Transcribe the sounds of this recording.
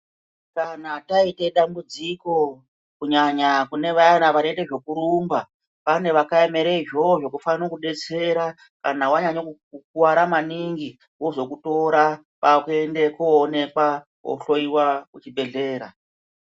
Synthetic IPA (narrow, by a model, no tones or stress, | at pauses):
kanataite̞ɗambud͡ziko̞ | kuɲaɲakune̞ʋaanaʋaneteʐo̞kuɾumba | pane̞ʋakaeme̞ɾeiʒo̞ʐo̞kufanokuɗe̞t͡se̞ɾa | kanawaɲaɲok | ukuwaɾamaniŋɡi | wo̞ʐo̞kuto̞ɾa | pakue̞ndekoːne̞kwa | o̰ɬo̞iwaut͡ʃiɓe̞ɮe̞ːɾa